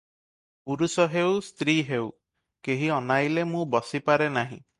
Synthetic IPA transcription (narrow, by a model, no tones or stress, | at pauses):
puɾusɔɦewst̪ɾiɦew | keɦiɔnajlemũbɔsipaɾenaɦḭ̃